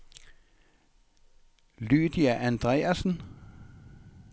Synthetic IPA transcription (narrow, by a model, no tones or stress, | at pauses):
lʉːd̪ɪæʔænd̪̥ʁeːɑsn̩